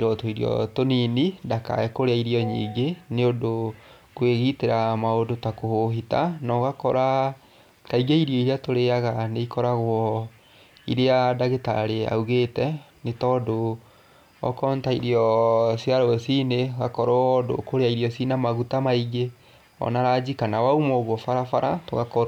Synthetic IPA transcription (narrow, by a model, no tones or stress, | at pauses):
ɾɔtoiɾiɔ̰toninidaka̰ɛkoɾeaiɾiɔɲḭːŋɡeneodo | kweɣiteɾamaodotakohoɦitanɔɣakɔɾa | taiɡeiɾjɔiɾeatoɾeaɣaneikɔɾaɣwɔ | iɾeadaɣeta̰ɾea̰uɣetɛ | netɔːdo | ɔ̰kɔntaiɾiɔsjaɾɔsineɣakɔɾɔdo̰koɾeaiɾiɔsinamaɣutamaiɡe | ɔ̰naɾad͡ʑikanawaumɔɣwɔfaɾafaɾatoɣakɔ